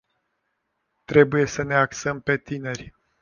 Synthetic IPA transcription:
t̪ɾe̞buje̞səne̞aksəmpe̞t̪ine̞rʲ

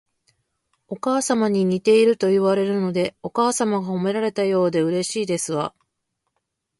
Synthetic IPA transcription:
o̞kaːsamaɲ̟iɲ̟it̪e̞iɾɯ̟t̪o̞iβaɾe̞ɾɯ̟no̞d̪e̞o̞kaːsamaɡaho̞me̞ɾaɾe̞t̪ajo̞ːd̪e̞ɯ̟ɾe̞ɕiːd̪e̞sɨβa

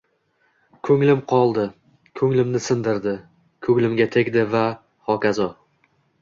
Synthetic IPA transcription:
kʰɵŋlɪmqʰɒlˠd̪ɪ | kʰɵŋlɪmnɪsɪnd̪ɪɾd̪ɪ | kʰɵŋlɪmɡʲat̪ʰekʲd̪ɪva | χɒkʲazɒ

